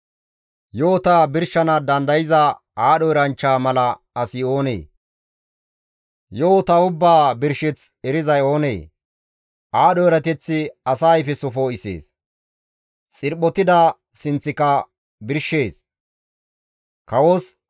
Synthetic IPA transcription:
joːt̪aːbɪɾʃːɐnɐd̪ɐnd̪ɐjɪzɐ | aːɗɔjɾɐnt͡ʃːaːmɐlɐ | ɐsɪo̞ːnḛː | joːt̪ɐʊbːaːbɪɾʃɛt͡sɛɾɪzɐjo̞ːne̞̰ː | ʔaːɗɔjɾɐt̪ɛt͡sːɪɐsajfɛsʊfoːɪsḛːs | t͡sʼɪɾɓɔt̪ɪd̪ɐ | sɪnt͡sːɪkɐ | bɪɾʃːe̞ːs | kɐwos

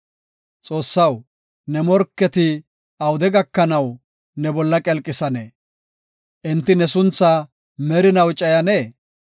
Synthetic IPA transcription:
t͡sʼo̞ːsːɐw | nɛmɔɾkːɛt̪ɪ | ɐwd̪ɛɡɐkːɐnɐw | nɛbɔlːɐkʼɛlkʼːɪsɐne | ʔɪnt̪ːɪnɛsʊnt͡sːɐ | mɛɾɪnɐwt͡ʃʼɐjɐneː

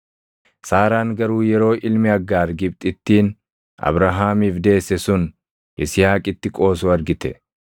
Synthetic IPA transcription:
saːɾaːŋɡɐɾuːjɛɾo̞ːʔɪlmɪɐɡːaːɾɡɪb̚t̪ʼɪt̪ːiːn | ɐ̰bɾɐɦaːmiːfd̪e̞ːsːɛsʊn | ʔɪsɪjaːkʼɪt̪ːɪkʼo̞ːsuːɐɾɡɪt̪ɛ

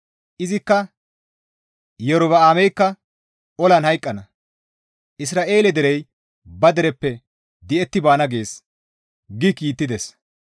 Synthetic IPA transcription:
ʔɪzɪkːɐ | jɛɾʊβɐaːmɛjkːɐ | ɔlɐnhɐjkʼːɐnɐ | ʔɪs̬ɾaːʔe̞ːlɛd̪ɛɾɛj | bɐd̪ɛɾɛpːɛ | d̪ɪɛt̪ːɪbaːnɐɡe̞ːs | ɡɪkiːt̪ːɪd̪ɛs

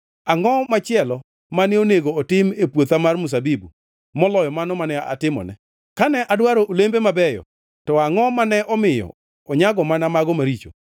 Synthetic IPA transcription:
aŋɔmat͡ʃɪɛlɔ | manɛoneɡoːtɪmepwot̪amarmus̬abibu | mɔlɔjɔmanɔmanɛa̰tɪmɔ̰nɛ̰ | kanɛʔadwaɾoʔolembemabɛjɔ̰ | tɔaŋɔmanɛʔɔmɪjɔ̰ | ɔɲaɡɔmanamaɡɔmaɾit͡ʃo̰

